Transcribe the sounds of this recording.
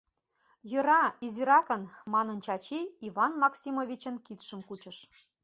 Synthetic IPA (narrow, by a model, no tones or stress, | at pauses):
jɤ̆ɾɑiziɾɑkɤ̆nmɑnɤ̆nt͡ɕɑt͡ɕiivɑnmɑksʲimovʲit͡ɕə̆nkit̪ʃə̆mkut͡ɕə̆ʃ